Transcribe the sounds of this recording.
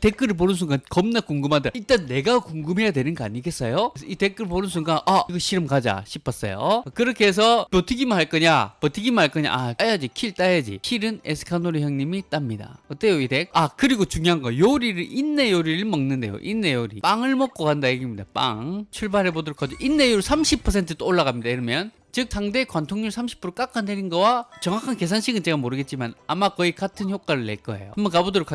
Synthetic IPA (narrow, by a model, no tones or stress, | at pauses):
te̞k͈ɯɾɯɭp̬onɯns̬ʰuŋɡakʌmnak͈uŋɡɯmɦadaiɭt͈anːe̞ɡakuŋɡɯmɦe̞jadwe̞nɯnɡʌaɲiɡe̞s͈ʌjosʰʌite̞k͈ɯɭponɯnsʰuŋɡaʔaiɡʌɕʰiɾɯmkad͡ʑa̰ɕʰipʰʌs͈ʌ̰jo̰kɯɾʌkʰees̬ʰʌpotʰɯɡimɯnɦaɭk͈ʌɲapʌtʰɯɡimɯnɦaɭk͈ʌɲa̰ʔaajad͡ʑikʰiɭt͈ajad͡ʑḭkʰiɾɯnesʰɯ̥kʰanoɾiçjʌŋɲimit͈amɲida̰ʌt͈ejoideakɯɾiɡot͡ɕuŋjoɦaŋɡʌjoɾiɾɯɭinːe̞joɾiɾɯɭmʌŋnɯnde̞jo̰ʔinːe̞joɾḭp͈aŋɯɭmʌk͈̚okandajeɡimɲidap͈a̰ŋt͡ɕʰuɭbaɾɦe̞bodʌɾok͈ʰːad͡ʑoʔinːe̞joɾsʰamɕʰipʰʌs̬ʰe̞ntʰɯt͈ooɭːaɣamɲidaiɾɯmjʌn | t͡ɕɯk̚sʰaŋde̞kwantʰoŋɲuɭsʰamɕʰi̥pʰuɾok͈ak͈anːeɾinɡʌwat͡ɕʌŋakʰanke̞s̬ʰanɕʰiɡɯnt͡ɕe̞ɡamoɾɯɡet̚t͡ɕ͈imana̰makʌikatʰɯnçjok͈aɾɯɭːe̞̰ɭk͈ʌḛjo̰ɯmbʌkabodɯɾokʰa